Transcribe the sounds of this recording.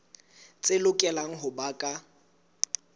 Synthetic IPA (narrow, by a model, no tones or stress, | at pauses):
t͡sʼɪlʊkʼɛlaŋ̩ɦʊbakʼa